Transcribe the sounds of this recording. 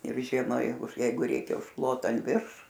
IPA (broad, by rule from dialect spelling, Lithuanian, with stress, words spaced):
ɪr ˈʒʲiɛmɐ ˈjɛɪɡʊ ˈjɛɪɡʊ ˈrʲɛɪkʲɛ ʊʃˈklˠoːtɐ ɐn ˈʋʲɪrʃ